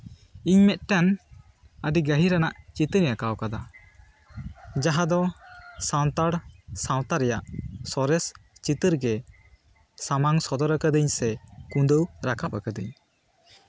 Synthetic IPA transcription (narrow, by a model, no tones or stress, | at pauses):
iɲmɛt̪̚ʈɛn | əɖiɡəɦiɾanaʔt͡ʃit̪əɾɛjakawkad̪a | d͡ʒaɦad̪ɔsaw̃t̪aɽsaw̃t̪aɾɛjaʔsɔɾɛst͡ʃit̪əɾɡɛ | samaŋsɔd̪ɔɾakəd̪əɲsɛkũnd̪əwɾakʰapakəd̪əɲ